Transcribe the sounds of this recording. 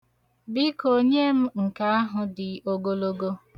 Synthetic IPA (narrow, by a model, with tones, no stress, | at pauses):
bɪ˦ko˦ɲe˦m̩˦ŋ̩˨ka˦a˦ɦʊ˨dɪ˨o˦ɡo˦lo˦ɡo˦